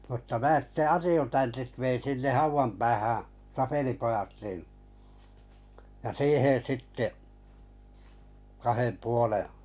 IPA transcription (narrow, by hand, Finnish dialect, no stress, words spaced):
mutːɑ mæː sitːe ɑtjutɑntit ʋein sinːeh hɑuʋɑm pæːhæ̃ː sɑpelipojɑt nin jɑ siːhen̞ sitːe kɑhem puoleˑ